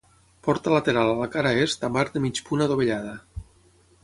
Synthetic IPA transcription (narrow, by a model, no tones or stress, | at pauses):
pɔɾt̪alat̪eɾalalakaɾaest̪amaɾd̪əmit͡ʃpunaðoβeʎaðə